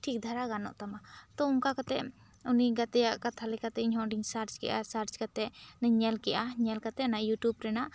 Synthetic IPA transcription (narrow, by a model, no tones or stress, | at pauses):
ʈʰik̚d̪ʱaɾaɡanɔ̰ʔt̪amat̪ɔumkakat̪ɛʔ | uniɡat̪ɛjaʔkat̪ʰalɛkat̪ɛʔiɲɦɔɖiŋsaɾt͡ʃkɛ̰ʔasaɾt͡ʃkat̪ɛnəɲɛlkɛʔaɲɛlkat̪ɛnaʔjuʈjubɾɛnaʔ